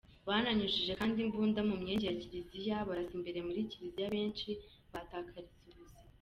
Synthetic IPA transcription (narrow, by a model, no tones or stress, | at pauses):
βanaɲuʃiʒe̞kaːndimbuːndamumɲeːɲɟeaciɾizijaβaɾasimbeɾemuɾiciɾizijaβe̞ːnt͡ʃi | βataːkʰaɾiziɡuse̥